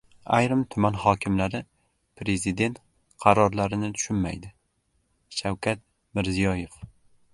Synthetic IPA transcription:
ajɾɪmt̪ʰʊmanhɒkʲʰɪmlaɾɪ | pʰɾe̞zɪd̪e̞nt̪ | qʰɑɾɒɾlaɾɪnɪt̪ʰʊ̥ʃʊnma̰jd̪ɪ | ʃawkʲʰat̪̚ | mɪɾzijɒjef

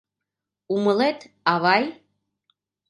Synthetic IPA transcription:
uməlet̪ | ɑβɑj

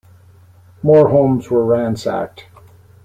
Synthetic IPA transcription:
mɔɹhõʊ̃mzwə˞ɹæ̃nsæ̰k̚t

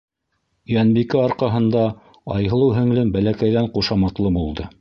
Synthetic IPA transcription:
jænbikæɑɾqɑɦɤ̆nd̪ɑ | ɑjɦɤ̆lˠɤwɦɘ̆ŋlɘmbælækæjðæɴquʃɑmɑt̪lˠɤbulˠd̪ɤ

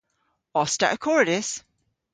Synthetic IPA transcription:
ɔsta̰ʔəkʰɔɹəɾɪs

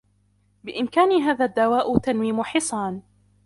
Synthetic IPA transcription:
bɪʔɪmkaːniɦaːðaːd̪ːawaːʔʊt̪anwiːmʊħɪsˤɑːn

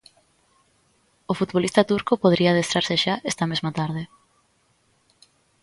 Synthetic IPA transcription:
ʊfut̪βolist̪at̪uɾkopoðɾiaðest̪ɾaɾseʃaest̪ɐmezmat̪aɾð̞e

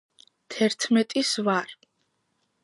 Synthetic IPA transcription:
t̪ʰɛɾt̪ʰmɛt̪ʼisvaɾ

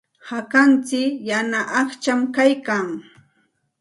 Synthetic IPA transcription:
hakant͡sɪjanaʔɑχt͡ʃamkajkaŋ

